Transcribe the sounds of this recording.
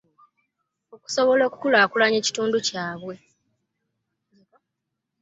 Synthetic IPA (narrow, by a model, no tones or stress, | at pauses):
oku̥so̞βo̞lo̞ːku̥kulaːkulaɲe̞ːci̥tuːnducaːβwe̞